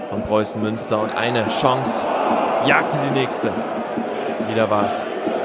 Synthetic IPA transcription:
fɔnbʁɔʏsn̩mʏnstɐʊntʔa̰ɪnəʃɔŋsjaːk̚tʰədiːnɛːçstə | veːɾɐvaːɐs

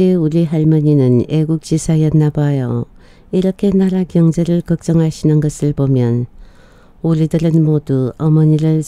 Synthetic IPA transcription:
euɾiɦaɭmʌɲinɯneɡuk̚t͡ɕ͈isʰajʌnːabajʌ | iɾʌkʰe̞naɾakjʌŋd͡ʑeɾɯɭkʌk̚t͡ɕ͈ʌŋɦaɕʰinɯnɡʌsʰɯɭbomjʌn | uɾidɯɾɯnmoduʌmʌɲiɾɯɭ

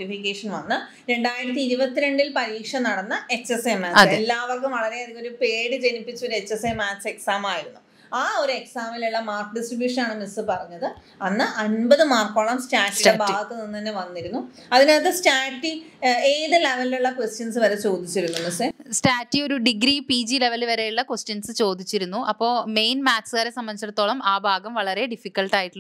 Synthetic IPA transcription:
ʈifikʲːeːʂɐnʋɐnːɨ | ɾe̞ɳɖaːjiɾɐt̪ːiiɾubɐt̪ːiɾe̞ɳɖilpɐɾiːkʂɐnɐɽɐnːɐe̞t͡ɕːesemaːɨelːaːʋɐrkumʋɐɭɐɾeɐðikːoɾupe̞ːɽɨd͡ʑe̞nipːit͡ɕːuo̞ɾue̞t͡ɕːesemaːt͡ɕːe̞ksaːmaːjiɾunːu | aːo̞ɾue̞ksaːmiluɭːɐmaːrkɖisʈribjuːʂɐnaːɳɨmisɨpɐrɐɲːɐðɨ | ɐnːɨʔɐnbɐðɨmaːrkːoːɭɐmsʈaːʈːiɽebʱaːɡɐt̪ːɨninːɨt̪ɐnːeʋɐnːiɾunːuɐðineːt̪ːɨsʈaːʈːieːðɨle̞ʋɐliluɭːɐkʋesʈjɐnsɨʋɐɾet͡ɕo̞ːd̪it͡ɕːiɾunːumisɨstaːtːio̞ɾuɖiɡɾipiːd͡ʑile̞ʋɐlʋɐɾe̞juɭːɐkwesʈjɐnsɨt͡ɕo̞ːd̪it͡ɕːiɾunːuʔɐpːo̞ːme̞jnmaːt͡ɕːsɨkɣaːɾesɐmbɐnit͡ɕːɐɽɐt̪ːo̞ːɭɐmaːbʱaːɡɐmʋɐɭɐɾe̞ɖifikːɐlʈaːjiʈːi

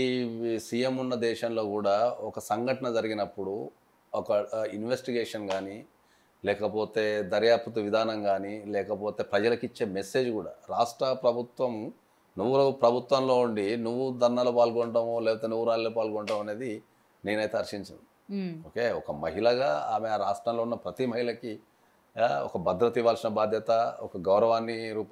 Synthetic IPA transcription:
isije̞munːɐd̪ɛːʃɐmlo̞ːkuːɽaːɔkɐsɐŋɡʱɐʈɐnɐd͡ʒɐɾiɡinɐpːuɽu | ɔkɐinʋesʈiɡeːʂɐnɡaːni | lɛːkɐpo̞ːt̪e̞ːd̪ɐɾjaːpɐt̪̬uʋid̪ʱaːnɐŋɡaːnilɛːkɐpo̞ːt̪e̞ːpɾɐd͡ʒɐlɐkit͡ʃːe̞ːmesːe̞ːd͡ʒkuːɽa̰ːɾaːʂʈɾɐpɾɐbʱut̪ʋɐm | nuʋːuɾupɾɐbʱut̪ʋɐmlo̞ːuɳɖinuʋːud̪ʱɐɾnaːloːpaːlkɔɳʈɐmoːlɛːpɐt̪eːnuʋːuɾaːliloːpaːlkɔɳʈaːmɐne̞ːd̪i | ne̞ːnɐjt̪eɐɾʂiɲt͡ʃɐnd̪i | oːke̞ːɔkɐmɐɦilɐɡaːaːmeaːɾaːʂʈɾɐmlo̞ːunːɐpɾɐt̪imɐɦilɐki | ɔ̰kɐbɐd̪ɾɐt̪iʋaːlsinɐbaːd̪ʱjɐt̪ɐɔkɐɡɐwɾɐʋaːnːiɾuːp

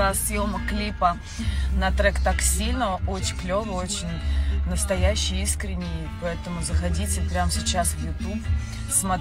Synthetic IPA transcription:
asjoməklʲipə | nɐt̪ɾɛkt̪aksʲilʲnəəʔot͡ɕɪklʲovˠəot͡ɕɪnʲnəst̪ɐjæɕːɪjiskɾʲɪnʲːɪj | pɐɛt̪əmʊzəxɐdʲitʲɪpɾʲamsʲɪt͡ɕasvjʊt̪up | smɐt̪

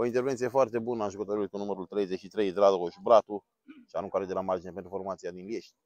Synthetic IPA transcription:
oint̪eɾvent̪sijefoart̪ebunəanʒukət̪oɾulit̪̚kunumeɾult̪ɾejzeʃit̪ɾejd̪ɾad̪okoʃubɾat̪u | ʃiaɾũŋkʷaɾed̪elamard͡ʒinepent̪ɾufoɾmat̪sijad̪inlijeʃ

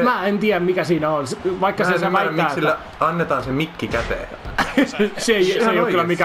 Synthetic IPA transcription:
mæːent̪iæmmikæsiːnæonsʋɑikːɑseseʋææːsilːæ | ɑnːet̪ɑːnsemikːikæt̪ḛː | seseeisɑjokːylːæmikæ

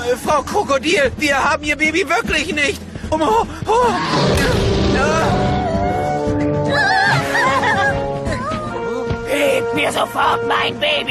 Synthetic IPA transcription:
fʁaʊkʰokodiːviːɐhaːb̚m̩iːɐbeːbivɪɐklɪçnɪçtʊmoho | na | hetmiːɐzofɔɐtmaɪnbeːb

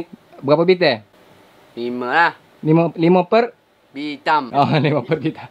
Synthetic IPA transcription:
bəɣapəbit̪̬e | liməlah | liməlimə̃pər | bit̪amaliməpərbit̪a

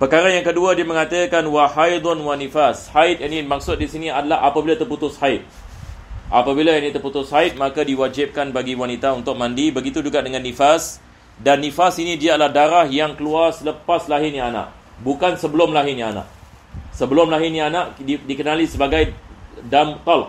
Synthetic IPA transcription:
pərkaɾajaŋkəduadiamə̃ŋat̪əkanwahajd̪ɔnwanifashaɪt̪̚janimak̚sʊt̪̚disiniadalahapabilat̪ərput̪ʊshaɪt̪̚ | ʔapabilajanit̪ərput̪ʊshaɪt̪̚makadiwad͡ʒɪp̚kanbaɡiwanit̪aunt̪ʊk̚mãndibəɡit̪ud͡ʒuɡaʔdəŋãnːifas | danːifasinidialahdaɾahjaŋkəluarsələpaslaɦɪnaana̰ʔ | bukansəbəlʊmlaɦɪnianã̰ʔ | səbəlʊmlaɦɪnianaʔidikənalisəbaɡajdamt̪ɔl

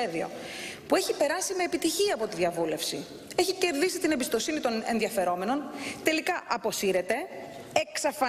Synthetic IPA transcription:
eðio̞̰pue̞çipe̞ɾɐsime̞ːpit̪içiɐːpo̞t̪iðiɐvule̞fsi | eçice̞ɾðisit̪inebist̪o̞sinit̪o̞ne̞nðiɐfe̞ɾo̞me̞no̞nt̪e̞likɐʔɐpo̞siɾe̞t̪e̞ | eksɐfɐ

